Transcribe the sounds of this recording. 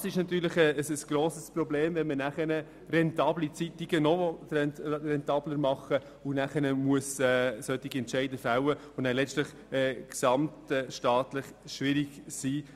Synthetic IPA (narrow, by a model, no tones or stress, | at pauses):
ɑsɪʃnɑt̪yːɾləχɛsəsɡ̥ɾoːsəsprɔbleːmvɛnmənæχənə | rɛntɑːblit͡sit̪ːiɡ̥ənɔvɔɛnrɛnt̪ɑːbləɾmɑχə | ʊnæχənəmuəsɛːsœt̪iɡiɛntʃɛɪdəfawə | ʊnælɛstləχ | ɛːksɑmtɛʃtɑːtləχʃʋɪɾiɡsiː